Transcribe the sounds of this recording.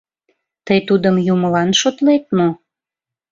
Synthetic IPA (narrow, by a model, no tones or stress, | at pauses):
t̪əjt̪ud̪əmjuməlɑnʃot̪let̪̚no